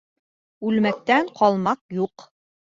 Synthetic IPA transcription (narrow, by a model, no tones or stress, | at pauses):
ʉlmæk̚t̪æɴqʰɒlˠmɑqjuq